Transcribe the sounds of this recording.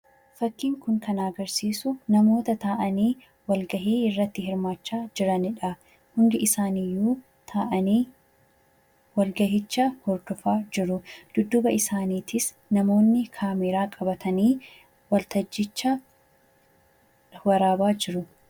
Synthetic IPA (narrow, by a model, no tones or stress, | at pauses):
fɐkːiːŋkʊŋkɐnaːɡɐɾsiːsʊnɐmo̞ːt̪ɐt̪aːʔɐniː | wɐlɡɐɦiːɪrːɐt̪ːɪɦɪɾmaːt͡ʃːaːd͡ʒɪɾɐnɪᶑɐ | hʊnd̪ɪʔɪsaːniːjuː | t̪ʰaːʔɐniː | wɐlɡɐhɪt͡ʃːɐhɔɾd̪ɔfaːd͡ʒɪɾʊd̪̥ʊd̪ːʊbɐɪsaːniːt̪ɪs | nɐmo̞ːnːɪkʰaːmɛɾaːkʼɐbɐt̪ʰɐniː | wɐlt̪ɐd͡ʒːɪt͡ʃːɐ | wɐɾaːbaːd͡ʒɪɾʊ